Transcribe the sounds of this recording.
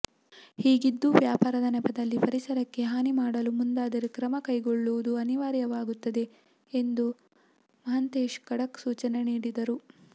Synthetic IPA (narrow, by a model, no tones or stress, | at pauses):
hiːɡid̪ːuʋjaːpaːɾɐd̪ɐnɛpɐd̪ɐlːipɐɾisɐɾɐkːe̞ɦaːnimaːɽɐlumund̪aːd̪ɐɾekɾɐmɐkɐjɡoɭːuʋud̪uɐniʋaːɾjɐʋaːɡut̪ːɐd̪e̞ | end̪u | mɐɦɐnt̪eːʃkɐɽɐksuːt͡ʃɐne̞niːɽid̪ɐɾu